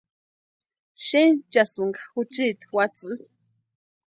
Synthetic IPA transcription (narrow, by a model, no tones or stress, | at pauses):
ʃent͡ʃasɨŋɡaxut͡ʃit̪wat͡sɨ